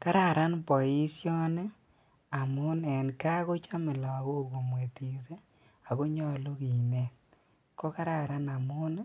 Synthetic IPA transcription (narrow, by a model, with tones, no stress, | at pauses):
ka˦ɾa˦˨ɾa˦npɔ˨i˦sjɔ˦n˦ | a˨mʊ˦nɛ˨nka˦ko˦t͡ʃa˦mɪ˨lɔ˨ɡo˦˨ko˨mwe˨ti˨se˦ | a˨ko˦ɲɔ˦˨lo˦ki˨ne˦˨ | kɔ˦ka˦ɾa˦˨ɾa˦na˨mʊ˦n˦